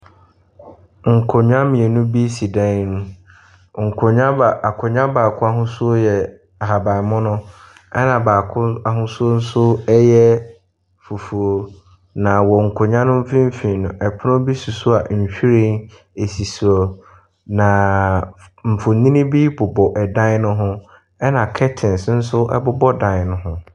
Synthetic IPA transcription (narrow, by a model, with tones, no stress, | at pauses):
ŋ̩˨kʰʊ˨ɲᶣã˦mɪ̃˨e˨nʊ̃˦bi˦si˨dã˦n˦nũ˦ | ŋ̩˨kʰʊ˨ɲã˦ba˨ʔa˨kʰʊ˨ɲã˦baː˨kʰʊ̃˦a˦ɦʊ̃˦su˦o˦jɛ˨ | a˨ɦa˨ba˨mʊ̃˦nʊ̃˦ | ɛ˦nã˨baː˨kʰʊ˦a˨ɦʊ̃˦sʊ˦o˦n̩˦sʊ˦ɛ˦jɛ˦ | fu˨fu˨o˨ | nã˨wɔ˨ŋ̩˨kʰʊ˨ɲã˦nʊ̃˦m̩˦fĩ˦m̩˦fĩ˨nʊ̃˨ʔɛ˨pʰʊ˦nʊ̃˦bi˦su˨sʊ˦a˨ɲ̩˨ɕᶣi˦ɾẽ˦n | e˨si˨su˨ɔ˨ | nã˨ | m̩˨fʊ˨nĩ˦nĩ˦bi˦bʊ˨bɔ˨ʔɛ˨dã˦n˦nʊ̃˦ɦʊ̃˦ | ɛ˦nã˨kʰɛ˦tʰɪ̃˨nsn̩˦sʊ˦ʔɛ̰˦bʊ˦bɔ˦dã˨nʊ̃˨ɦʊ̃˨